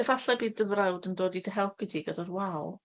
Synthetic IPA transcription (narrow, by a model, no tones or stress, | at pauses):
əvaɬɛbiːðəvrawdəndoːdidəɦɛlˠp̚ʰidiɡədarwalˠ